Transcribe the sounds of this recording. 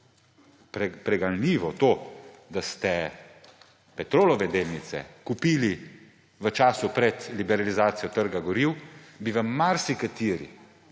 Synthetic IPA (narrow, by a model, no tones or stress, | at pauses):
pɾɛpɾɛɡanniːʋɔt̪oː | d̪ast̪ɛ | pɛt̪ɾoːlɔʋɛd̪eːlnit̪sɛ̰kupiːli | ʋət͡ʃaːsupɾɛt̪libɛɾalizaːt̪sijɔt̪əɾɡaɡɔɾiwbiʋəːaɾsikat̪iːɾḭ